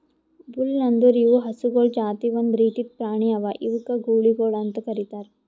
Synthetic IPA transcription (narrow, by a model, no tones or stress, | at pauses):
bulnɐnd̪uɾiʋuɦɐsuɡoːɭd͡ʒaːt̪iʋɐnd̪ɾiːt̪it̪̚pɾaːɳijɐʋaʔiʋukɐɡuːɭiɡoːɭɐnt̪ɐkɐɾit̪aːɾ